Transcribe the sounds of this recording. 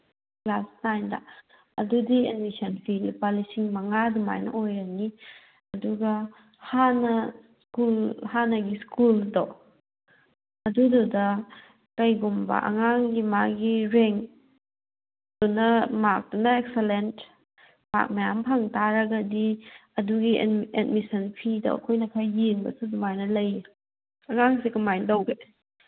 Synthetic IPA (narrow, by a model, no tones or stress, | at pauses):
klasnajnda̰ | ɐ̰dudienmisɐnpʰilpalisiŋmɐŋaduma̰jnɐ̰ʔojɾɐni | ɐduɡɐ | hanɐ | kulhanɐɡiskuldo | ɐdududɐ | kɐjɡumbɐ̰ʔɐ̰ŋaŋɡimaɡiɾeŋ | dunɐmak̚dunɐek̚selent | ma̰k̚majampʰɐŋtaɾɐɡɐdiɐduɡiet̚misɐnpʰido̰ɐ̰kʰojnɐkʰajjiŋbɐ̰sudumajnɐlɐj | ɐŋaŋsikumajndowɡe